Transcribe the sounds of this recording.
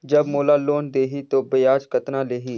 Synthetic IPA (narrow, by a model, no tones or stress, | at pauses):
d͡ʒəbmoːlaːloːnd̪eːɦit̪oːbəjaːd͡ʒkət̪nãːleːɦiː